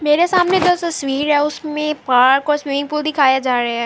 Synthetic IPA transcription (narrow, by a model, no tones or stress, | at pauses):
meːɾesaːmned͡ʒot̪ɐsʋiːɾɦɛʊsmẽpaːɾkoːsʋiʋɪ̃ŋɡ̚puːld̪ɪkʰaːjad͡ʒaːɾɐɦaɦɛ